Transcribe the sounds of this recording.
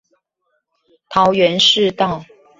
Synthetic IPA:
t̪ʰɑ˧˥ʊɥɛ˧˦˥nʂɻ̩˥˧t̪ɑ˥˨ʊ

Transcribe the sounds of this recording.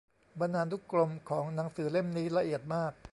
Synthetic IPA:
ba˧ndaː˧nt̪u˦˥klo˧mkʰɔː˩˦ŋna˩˦ŋsɯː˩˦le˥˩mniː˦˥la˧ʔi˨˩ət̪̚maː˥˩k̚

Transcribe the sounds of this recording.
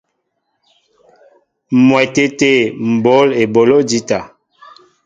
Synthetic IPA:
mwɛ˨te˦te˦˨m̩˨bo˨˦le˨bo˨lo˦d͡ʒi˦ta˨

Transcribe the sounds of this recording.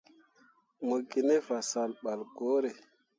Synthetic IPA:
mo˨ɡi˨ne˦va˨sa˨lɓa˨lko˦ɾe˨

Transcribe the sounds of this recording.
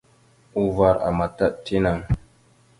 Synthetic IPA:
u˦va˦ɾa̰˨ma˨ta˦ʔti˦na˨ŋ

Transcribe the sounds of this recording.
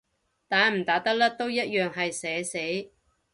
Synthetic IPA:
t̪aː˨˧nm̩˨˩t̪aː˨˧˥t̪ɐ˥k̚lɐ˥t̪o˥wjɐ˥t̚jœː˨ŋɦɐ˨jsɛː˨˧˥se˨˥j

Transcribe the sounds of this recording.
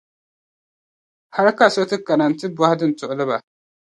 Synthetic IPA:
ha˦ɾka˨so˦tɨ˦ka˨na˨n˦tɨ˦bwa˦hdɨ˦n̩˨tʊ˨ʔʊ˦lɨ˦ba˨

